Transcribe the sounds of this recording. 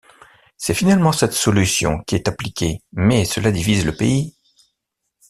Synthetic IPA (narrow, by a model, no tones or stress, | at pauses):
sɛfinalmɑ̃sɛt̪sɔlysjɔ̰̃kʲiɛt̪aplikʲʰemɛsəlad̪ivizləpei